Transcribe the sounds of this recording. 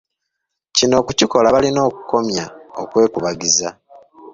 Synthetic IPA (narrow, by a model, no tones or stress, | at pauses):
cino̞ːkuciko̞laβalino̞ːku̥ko̞mja̰okwe̞ːkuβaɡiza